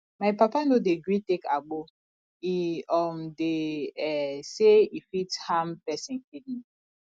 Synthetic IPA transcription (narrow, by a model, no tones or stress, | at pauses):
majpapanodeɡɾitekʰaɡ͡bo | iɔmdeɛseifithampɛsĩnkidĩn